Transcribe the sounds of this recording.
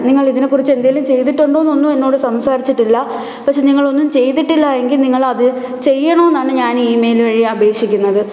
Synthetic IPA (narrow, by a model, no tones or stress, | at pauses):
niŋːɐɭiðine̞kːurit͡ɕːe̞nd̪aːjaːlumt͡ɕe̞jt̪̬iʈːoɳɖoːnːo̞nːue̞nːo̞ːɽɨsɐmsaːɾit͡ɕːiʈːilːɐ | pɐkʂeniŋːɐɭo̞nːumt͡ɕe̞jt̪̬iʈːilːɐje̞ŋɡilniŋːɐɭɐðɨ | t͡ɕe̞jːɐɳoːenːaːɳɨɲaːniːmejlʋɐɻijɐbʱe̞ːkʂikʲːunːɐðɨ